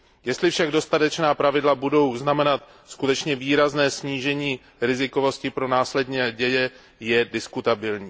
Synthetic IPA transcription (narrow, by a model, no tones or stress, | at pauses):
jɛst̪lɪfʃaɡdo̞st̪at̪ɛt͡ʃnaːpɾavɪdlabudo̞wznamɛnat̪ | skut̪ɛt͡ʃɲɛviːɾaznɛːsɲiːʒɛɲiː | ɾɪzɪko̞vo̞scɪpɾo̞naːslɛdɲɛɟɛjɛ | jɛdɪskut̪abɪlɲiː